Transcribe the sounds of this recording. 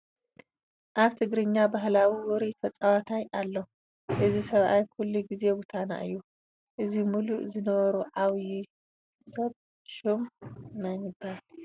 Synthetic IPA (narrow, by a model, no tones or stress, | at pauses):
ʔaβt̪ʰɨɡɾɨɲːabaɦlawiwʊɾit̪ʰɐt͡sʼawat̪ʰajalːo | ʔɨzisɐβʔajkʰulːiɡize̞wʊt̪ʰana̰ʔɨjːu | ʔɨzimuluʔzɨnɐβɐɾuʕawji | sɐβ | ʃumːanibal